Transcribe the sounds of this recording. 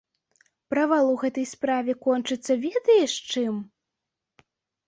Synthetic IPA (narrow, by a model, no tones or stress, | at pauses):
pɾɐvalˠuwɣɛt̪ɐjspɾavʲɛkɔnt͡ʂɨt̪sːɐvʲɛd̪ɐjɛʂt͡ʂɨm